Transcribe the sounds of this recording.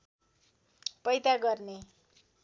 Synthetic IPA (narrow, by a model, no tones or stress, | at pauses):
pʌjt̪aɡʌrne